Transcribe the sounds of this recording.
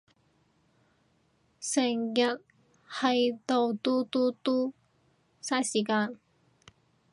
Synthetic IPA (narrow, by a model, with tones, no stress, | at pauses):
sɪ˨˩ŋjɐ˨t̚ | hɐ˨jt̪o˨˧wt̪uː˥t̪uː˥t̪uː˥ | sɐ˥jsiː˨˩kaː˧n